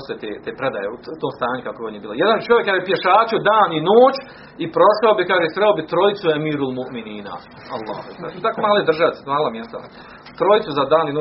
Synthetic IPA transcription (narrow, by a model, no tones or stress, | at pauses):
st̪ojet̪ḛːt̪eːpɾed̪ajeut̪oːmst̪aːɲukakoeonjebiːlojed̪ant͡ʃojekaʒepjeʃaːt͡ɕud̪aːninoːt͡ɕ | ipɾo̞ʃaobikaːʒesɾeobit̪ɾojit̪suemiːɾulˠmuʔminiːna̰ | alˠːa̰ːh̪a̰ut̪akomaːlejd̪ɾr̩ʒaʋesmaːlˠamjest̪a̰ | t̪ɾojit̪suzad̪aːninoː